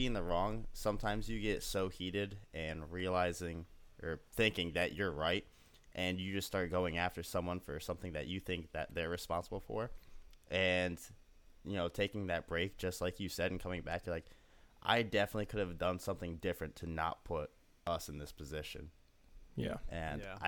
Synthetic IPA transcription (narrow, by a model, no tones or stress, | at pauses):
iɪ̃ŋðəɹɔ̃ŋsʌ̃mtʰãɪ̃mzjɨɡɛtsoʊhiɾɪɾʔɨ̃nɹiəlaɪzɪ̃ŋʔə˞θɪ̃ŋkɪ̃ŋðɨt͡ʃə˞ɹaɪt̚ | ʔɨ̃njɨd͡ʒʌststɑɹt̚ɡ̥oʊɪ̃ŋæftə˞sʌ̃mwʌ̃nfə˞sʌ̃mθɪ̃ŋðɨ̰t͡ʃɨθɪ̃ŋk̚ðɨt̪̚ðə˞ɹɨspɑ̃nsəbl̩ˠfə̰˞ʔɨ̃n | jɨnoʊtʰeɪkɪ̃ŋðɨt̚b̥ɹeɪk̚d̥ʒ̥ʌst̚ˡlaɪkjɨsɛɾ̃n̩kʰʌmɪ̃ŋbækjə˞laɪk | ʔa̰ɪdɛfənətˡlikʰʊɾɨvdʌ̃nsʌ̃mθɪ̃ŋdɪfɹɨ̃ntʰɨnə̰t̚pʰʊɾ | ʌsn̩ðɪspʰɨzɪʃɨ̰̃n | jæɨ̃na